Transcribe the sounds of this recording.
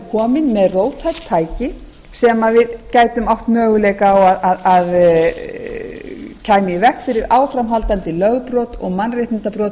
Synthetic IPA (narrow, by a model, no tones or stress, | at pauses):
kʰɔːmɪnmɛðroːwt̪ʰat̪ʰaːjcɪ | sɛmavɪðcaːjt̪ʏmawht̪mœːɣʏlɛjkaawaðaðað | cʰaːjmɪivɛhkfɪɾɪɾaːwfɾamɦalt̪ant̪ɪlœɣpɾɔːt̪ɔɣmanrejht̪ɪnt̪apɾɔːt̪